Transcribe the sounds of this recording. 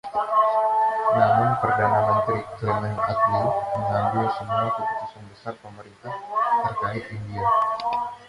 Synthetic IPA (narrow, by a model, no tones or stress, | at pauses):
namʊnpərdanamənt̪ɾiklənənat̪̚ninməŋambilsəmuakəbut̪usanbəsarpəməɾint̪aht̪ərkaɪt̪̚india